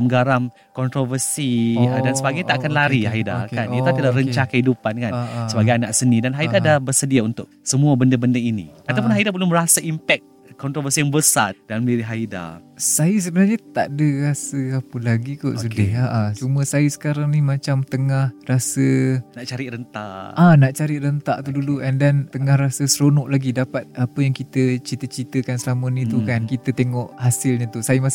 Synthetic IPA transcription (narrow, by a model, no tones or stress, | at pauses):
mɡaɾaŋ | kɔnt̪ɾovərsiədansəbaɡajt̪aʔakanlaɾihaida̰kanit̪at̪əlaɾəɲt͡ʃahkəidupankansəbaɡajanaʔsənidanɦaidadabərsədiaunt̪ʊk̚səmũabəndəbəndəinḭ̃at̪awpʊnɦaidapərlʊməɾasaimpɛk̚ | kɔnt̪ɾɔvəsijaŋbəsa̰dalaməliɾiɦaida̰sajəs̬əbənarɲat̪aʔdərasəapəlaɡikɔ̰ʔsudɛhaʔat͡ʃuməsaəsə̥kaɾaŋnimãt͡ʃamt̪əŋahrasənaʔt͡ʃaɾiɾənt̪a̰ʔʔanaʔt͡ʃaɾiʔrənt̪a̰ʔt̪uduluʔɛndɛnt̪əŋahrasəsɾonɔʔlaɡidapat̪̚apəjaŋkit̪ət͡ʃit̪ət͡ʃit̪əkansəlamənĩt̪ukankit̪ət̪eŋɔʔhasɪlɲat̪usajəmas